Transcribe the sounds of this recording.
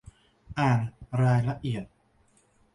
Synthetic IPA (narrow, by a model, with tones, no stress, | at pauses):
ʔaː˨˩nɾaː˧jla˧ʔi˨˩ət̪̚